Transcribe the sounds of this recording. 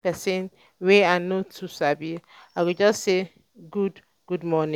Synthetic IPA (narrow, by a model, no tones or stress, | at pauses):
pɛsɛ̃n | weanotʰusabiakud͡ʒasːe | ɡud | ɡ̥udmɔnɪ̃